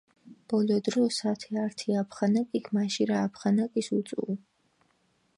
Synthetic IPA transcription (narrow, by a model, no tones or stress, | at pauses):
b̥ɔlɔd̪ɾɔsat̪ʰɛaɾt̪ʰiapʰχanakʼikʰmaʃiɾaːpʰχanakʼisut̪sʼṵ